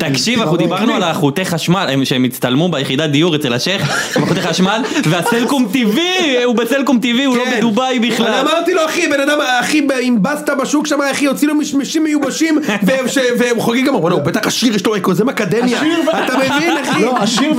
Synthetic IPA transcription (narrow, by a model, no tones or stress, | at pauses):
t̪akʃivaaχud̪ibaʁnualaχut̪eχaʃmalemʃeemit͡st̪almubejeχid̪ad̪ijuʁet͡selaʃeχmaχut̪eχaʃmalveaselkumt̪iviubeselkumt̪iviullobed̪ubajbiχlaamaʁt̪iloaχibenad̪amaχibeimbast̪abaʃukʃamaaχijot͡silomiʃmeʃimːejubaʃimveʃeveχoɡiɡamabonaubet̪aχaʃiʁjɛʃloekozemakad̪emjaat̪amevinaχiaʃi